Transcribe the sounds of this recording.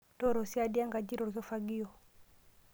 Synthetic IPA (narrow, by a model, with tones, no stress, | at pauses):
tɔ˦˨ɾɔ˨si˦a˦di˦a˦ŋɡa˨d͡ʒi˦ɾɔ˨ɾkɔ˦fa˦ɡi˦ɔ˨